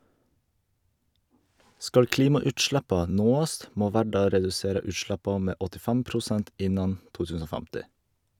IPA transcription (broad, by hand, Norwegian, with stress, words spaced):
ˈskɑl ˈkliːmɑʉːtˌʃɽɛpɑ ˈnoːɑst ˈmoː ˈʋæːɖɑ ɾɛdʉˈseːɾə ˈʉːˌʃɽɛpɑ ˈmeː ɔtɪˈfɛm pɾʊˈsɛnt ˈɪnɑn ˈtuː ˈtʉsn̩ ˈoː ˈfæmtɪ